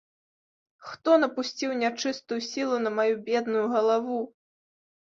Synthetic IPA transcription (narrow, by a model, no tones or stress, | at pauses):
xt̪ɔnɐpusʲt͡sʲiwnʲat͡ʂɨst̪ujusʲilˠunɐmajubʲɛd̪nujuɣɐlˠavu